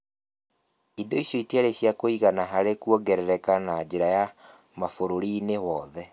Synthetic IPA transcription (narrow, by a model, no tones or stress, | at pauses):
idoiɕjɔiteaɾeɕjakoiɣanaɦaɾekuɔɡɛɾɛɾɛkanad͡ʑeɾaja | mafoɾoɾinewɔðɛ